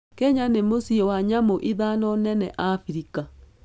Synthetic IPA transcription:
kɛɲanemosiɔwaɲamoʔiðanɔnɛnɛʔafiɾika

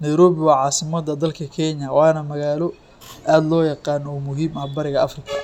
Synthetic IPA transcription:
nɛjɾɔːβɪwɑːʕɑːsɪmɐd̪ɐd̪ɐlkʰɐkʰɛnjɐwɑːnɐmɐɣaːlɔ | ʔaːd̪lɔːjɑqɑːnɔmʊɦiːmɐhbɐɾɪɣɐʔɐfrɪkʰɐ̥

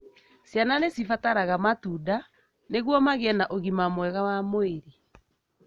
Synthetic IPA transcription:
sjananesifataɾaɣamatuda | neɣwɔmaɣeɛnaʔoɣimamwɛɣawamoeɾe

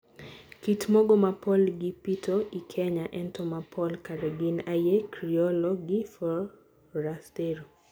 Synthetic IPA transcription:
kitmɔɡɔmapɔlɡɪpitʰoʔikʰɛɲaʔɛntɔmapʰɔlkaɾeɡɪnajekɾiɔlɔɡɪfɔ | ɾasteɾo

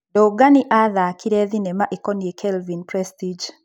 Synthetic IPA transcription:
dɔɡaniʔaðakiɾɛðinɛmaʔikɔniekʰɛlvinpɾɛstid͡ʒ

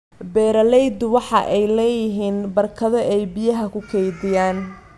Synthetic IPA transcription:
bɛːɾɐlɛjd̪ʊwɑħɑʔɛjlɛːjɪɦiːnbɐrkʰɐðɐʔɛjbɪjɐɦɐkʰʊkʰɛjðɪjaːn

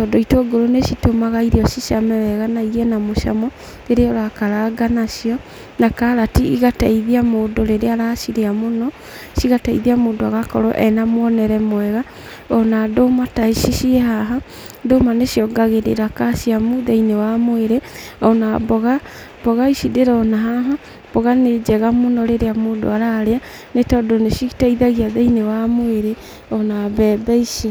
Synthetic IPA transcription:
tɔdɔitoɡoɾonesitomaɣaiɾiɔʃiʃamɛβɛɣanaiɣɛnamoʃa̰mɔ | ɾeɾeɔɾakaɾaɡanaʃiɔ | nakaɾatiiɣataiðiamoːdoɾeɾeaɾaʃiɾeamonɔ | siɣataiðiamoːndoaɣakɔɾɔ̰ʔɛnamwɔnɛɾɛmwɛɣa | ɔnadomataiʃiʃiɛɦaɦa | domaneʃiɔɡaɣeɾḛɾakaʃiamuðeinewamoeɾe | ɔnabɔɣa | bɔɣaiʃideɾɔnaɦaɦa | b̥ɔɣaned͡ʒɛɣamonɔɾeɾeamoːdo̰aɾaɾea | netɔdoneʃiɣitaiðaɣiaðeinewamoeɾe | ɔnaβɛbɛiʃi

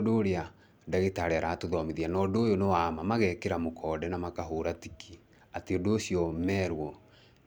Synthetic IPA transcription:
doɾea | daɣetaɾeaɾatoðɔmeðianɔːdoːjonowamamaɣɛkeɾamokʰɔdɛnamakaɦoɾatikʰi | ateodoːsiɔmɛɾwɔ

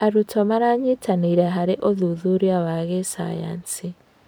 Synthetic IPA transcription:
aɾutʰɔmaɾaɲitʰaniiɾɛɦaɾeʔoðuðuɾiaβaɣesa̰ja̰nsi

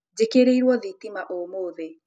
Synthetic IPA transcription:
d͡ʒekeɾeiɾwɔðitimaʔomoːðe

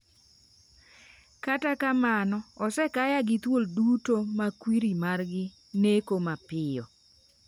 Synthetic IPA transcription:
katakamanɔɔsɛkajaɡɪt̪woldutomakwiɾimarɡɪ | nekomapɪjɔ

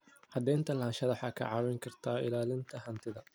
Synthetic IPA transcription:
hɐd̪ɛːnt̪ʰɐlaːnʃɐðɐħɑkʰɐ̰ʕɑːwɛŋkʰɐrt̪ʰaːʔɪ̰laːlɪnt̪ʰɐɦɐnt̪ʰɪðɐ

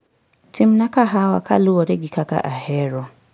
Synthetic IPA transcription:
tim̩nakaɦawa̰ka̰lʊwɔɾeɡɪkaka̰ʔahɛɾɔ

